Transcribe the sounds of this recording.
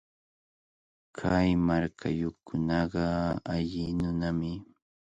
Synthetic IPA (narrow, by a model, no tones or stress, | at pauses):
kʰajmaɾkʰajokʊnɑɢɑaʎɪnʊnamɪ